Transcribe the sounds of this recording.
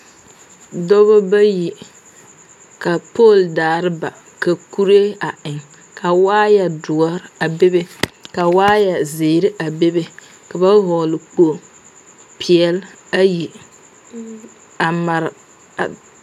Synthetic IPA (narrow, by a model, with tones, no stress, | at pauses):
dɔ˦bɔ˦ba˦ji˨ | ka˨po˦˨ldaː˨ɾɪ˦ba̰˨ | ka˨ku˦ɾe˦a˨ɪ˨ŋ | ka˨waː˦ja˨dʊ˨ɔ˦ɾa˨be˦be˦ka˨waː˦ja˨zeː˨ɾɪ˦ʔa˨be˦be˦ | ka˨ba˦ɦɔː˨lɪ˨k͡po˦˨ | pʰi˨ɛ˦l | a˦ji˨ | a˨ma˨ɾ